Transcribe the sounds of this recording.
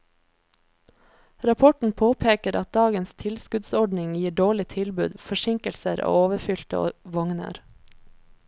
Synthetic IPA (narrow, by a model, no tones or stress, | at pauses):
ɾɑpʰɔʈɳ̩pʰoːpʰeːkəɾʔɑt̪̚d̪ɑːɡənst̪ʰɪlskʉd̪sɔɖnɪŋjiːɖoːɭɪt̪ʰɪlbʉ̰ːd̪fɔʃɪŋkəlsəɾo̰ːoːʋəfʏlt̪ə̰ʋɔŋnə̰ɾ